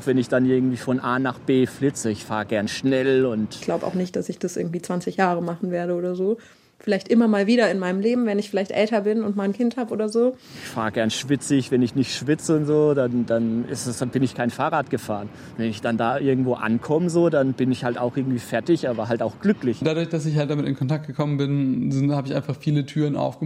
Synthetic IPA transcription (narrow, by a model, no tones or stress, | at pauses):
aʊxv̥ɛnɪçd̥anʔɪɐɡŋ̩tv̥iːfɔnʔaːnaːχb̥eːflɪt͡səɪçfaːʁəɡɛɐnʃnɛlʊntɡ̥laʊbəʔa̰ʊxnɪçt̚d̥asɪçd̥asʔɪ̰ɐɡŋ̩tv̥iːt͡sv̥ant͡sɪçjaːʁəmaχn̩veːɐɾəoːdɐzoː | fɪlaɪçtʔɪmɐmaːlviːɾɐɪnmaɪnəmleːbm̩vɛnɪçfɪlaɪçtʔɛ̰ltɐbɪnʊntmaːlnkʰɪnthaːbəo̰ːdɐzoːʔɪçfaːʁəɡɛɐnʃv̥ɪt͡sɪçvɛnɪçnɪçtʃv̥ɪt͡səʊntz̥oːdandanɪ̰stsb̥ɪnɪçkʰaɪnfaːʁaːtɡ̥əfaːʁən | vɛnɪçd̥andaːʔɪɐɡŋ̩tv̥oːʔa̰nkʰɔməzoːdanb̥ɪnɪçhaltaʊxʔɪɐɡŋ̩tv̥iːfɛɐtɪçʔaːbɐɦaltaʊxɡ̥lʏklɪçd̥adʊɐçd̥asɪçhalt̚d̥amɪtɪ̰nkʰɔntʰak̚t̚ɡ̥əkʰɔmənbɪnɪhaːbɪçʔaɪnfaχfiːlətʰyːʁənʔa̰ʊfɡ̥ə